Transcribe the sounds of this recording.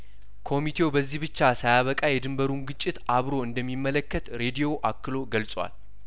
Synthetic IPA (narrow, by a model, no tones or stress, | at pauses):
kʰo̞mit̪ʰe̞wbəzːihbɨt͡ʃːasajaβəkʼajɛd̪ɨmbəɾunɡɨt͡ʃʼːɪt̪ʔaβɾo̞ɨnd̪əmːimːələkːət̪ɾe̞d̪ijo̞ʔakːɨlo̞ɡəlsʼwa̰l